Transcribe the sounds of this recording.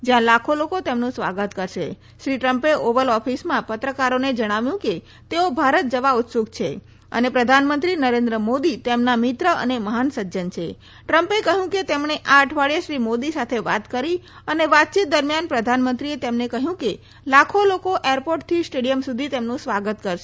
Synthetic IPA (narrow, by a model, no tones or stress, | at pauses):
d͡ʒjãlakʰolokot̪emnũsʋa̰ɡət̪kəɾʃḛ | ʃɾiʈɾəmpeʔoʋəlɔfʰismãpət̪ɾəkaɾoned͡ʒəɽ̃aʋjũke | t̪eobʱaɾət̪̚d͡ʒəʋaut̪suɡt͡ʃʰe | ə̰nepɾəd̪ʱanmənt̪ɾinəɾẽnd̪ɾəmod̪it̪emnamɪt̪ɾəʔə̰neməɦansəd͡ʒd͡ʒənt͡ʃʰe | ʈɾəmpekəɦjũket̪emɳeʔaəʈʰʋaɭijəʃɾimod̪isat̪ʰeʋa̰t̪kəɾi | əneʋat̪̚t͡ʃit̪̚d̪əɾmjanpɾəd̪ʱanmənt̪ɾiet̪emnekəɦjũke | lakʰolokoʔeɾpoʈ̚t̪ʰisʈeɽijəmsud̪ʱit̪emnũsʋaɡət̪kəɾʃe